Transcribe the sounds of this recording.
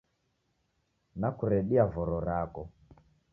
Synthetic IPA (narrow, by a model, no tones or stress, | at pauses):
nakuɾɛɗiavɔɾɔɾakɔ